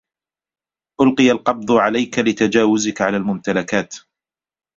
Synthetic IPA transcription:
ʔʊlqɨjalqɑb̚d̪ˤʊʕalajkalɪt̪ad͡ʒaːwʊzɪkʕalaːlmʊmt̪alakaːt̪

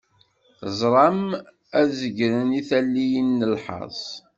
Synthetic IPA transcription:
zˤɾˤɑm | æðzəɡɾəniθælːijənːəlħɑ̰sˤ

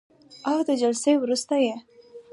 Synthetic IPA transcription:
awd̪əd͡ʒalsejwɾust̪aje

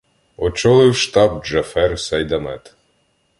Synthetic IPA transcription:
ɔt͡ʃɔlˠɪwʃt̪ɑb̚d͡ʒɐfɛrsɐjd̪ɐmɛt̪

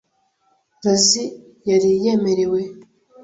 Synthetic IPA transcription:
ɾazi | jaɾije̞me̞ɾe̞we

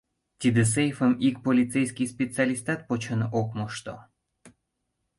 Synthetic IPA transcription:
t̪id̪es̬ejfəmikpolʲit͡sejskʲijspʲet͡sealʲist̪ɑt̪̚pot͡ɕənokmoʃt̪o

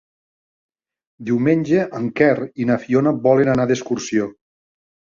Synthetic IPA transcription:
d̪iwmenʲd͡ʒeʔəŋkɛrinafionabɔlenanaðeskursio

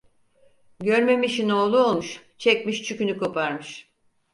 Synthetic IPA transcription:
ɟøɾme̞miʃino̞ːlˠuolˠmuʃ | t͡ʃʰɛcʲmiʃt͡ʃʰykynyko̞pʰaɾmɯʃ

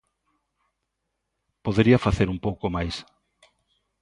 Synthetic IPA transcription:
poðeɾiɐfaθeɾumpowkomajs

